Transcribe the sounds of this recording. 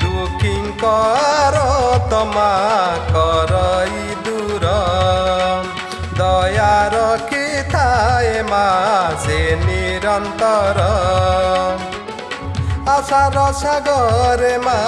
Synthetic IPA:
tukʰiŋkɔaɾɔt̪ɔmakɔɾɔi | d̪uɾɔ | d̪ɔjaɾɔkʰit̪ʰaemaseniɾɔnt̪ɔɾɔ | asaɾɔsaɡɔɾema

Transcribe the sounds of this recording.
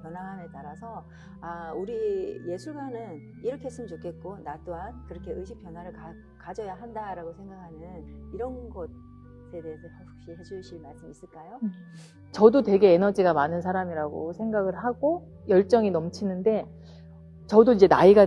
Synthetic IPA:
pjʌnwane̞taɾasʰʌ | auɾije̞sʰuɭmanɯn | iɾʌkʰes͈ɯmt͡ɕokʰe̞t̚k͈onat͈oɦankɯɾʌkʰe̞ɯɕʰik̚pjʌnwaɾɯɭka | kad͡ʑʌjaɦandaɾaɡosʰe̞ŋɡakʰanɯniɾʌnɡʌ | sʰe̞de̞ːsʰʌpjaɸuk̚ɕ͈iɦed͡ʑuɕʰiɭmaɭs͈ɯmis͈ɯɭk͈ajo | t͡ɕʌdotwe̞ɡe̞enʌd͡ʑiɡamanɯnsʰaɾamiɾaɡo̰sʰe̞ŋɡaɡɯɭaɡo | jʌɭt͡ɕ͈ʌŋinʌmt͡ɕʰinɯnde̞ | t͡ɕʌdoid͡ʑe̞naiɡa

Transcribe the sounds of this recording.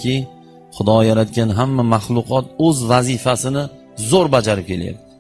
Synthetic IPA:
ɪ | χʊd̪ɒjaɾat̪kʲanɦamːamaχlˠʊqʰɒt̪̚ɵzvazɪfasɪnɪ | zoɾbad͡ʒaɾɪp̚kʲʰe̞lja̰p̚t̪ɪ

